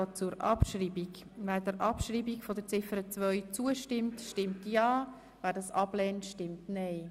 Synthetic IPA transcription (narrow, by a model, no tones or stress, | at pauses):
t͡suɾɑ̰pʃɾiːbik | væːɾdəɾʔɑpʃɾiːbikfodəɾt͡sɪfəɾət͡sʋœʏt͡suəʃtɪmtʃtɪmtjɑː | væːɾdɑsɑblɛːntʃtɪmtnɛɪ